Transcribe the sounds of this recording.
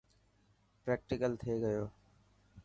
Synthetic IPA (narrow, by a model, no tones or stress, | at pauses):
pɾɛːk̚ʈɪkəlt̪ʰeːɡəjoː